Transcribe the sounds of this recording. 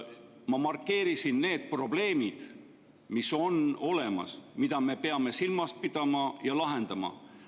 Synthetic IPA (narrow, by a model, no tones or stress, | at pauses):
mɑmɑrkːe̞ːɾisinne̞ːd̪̥̚pro̞ble̞ːmid̪̥ | miso̞no̞le̞mɑ̰smid̪̥ɑme̞pe̞ɑme̞silmɑst̪̚pid̪̥ɑmɑjɑlɑɦe̞nd̪ɑmɑ̰